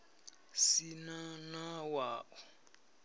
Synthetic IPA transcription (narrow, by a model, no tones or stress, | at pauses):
sinanawaːʔɔ